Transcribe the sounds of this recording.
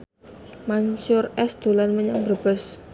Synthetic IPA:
maɲsʊrɛsd̪̥olanməɲaŋbərb̥əs

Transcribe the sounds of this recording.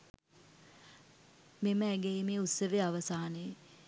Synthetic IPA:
meməæɡeimeːusəʋeaʋəsaːne

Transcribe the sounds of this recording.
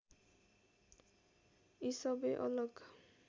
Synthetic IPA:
isɔbeʔɔloɡ

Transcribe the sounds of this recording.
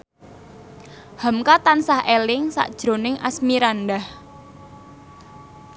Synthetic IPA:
hamkat̪ansahelɪŋsa̰ʔd̥ʒ̥ɾo̤nɪŋʔa̰smiɾandah

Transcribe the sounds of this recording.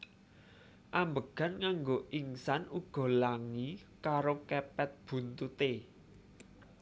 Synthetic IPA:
ʔambəɡ̥a̤nkaŋɡoʔiŋsanuɡ̥ɔ̤laŋi | kaɾokɛpɛt̪̚b̥ṳnt̪ut̪e

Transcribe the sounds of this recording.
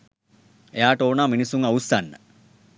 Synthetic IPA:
ejaːʈəoːnaːminisuŋausːanːə̰

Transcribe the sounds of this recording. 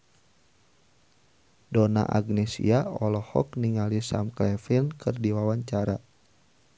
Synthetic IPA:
dɔna̰ʔa̰ɡnɛsḭaɔlɔhɔ̰kniŋalisa̰mklɛfinkʰɨrdiwawaɲt͡ʃaɾa

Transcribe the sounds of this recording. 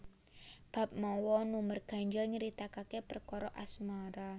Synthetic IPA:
b̥a̤p̚mɔwɔnumərɡ̥a̤ɲd͡ʒəlɲəɾit̪akakepərkɔɾɔʔasmaɾa

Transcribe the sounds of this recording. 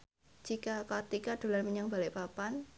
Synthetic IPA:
d͡ʒ̥ikakat̪ikad̪̥o̤lanməɲaŋbalɪʔpapan

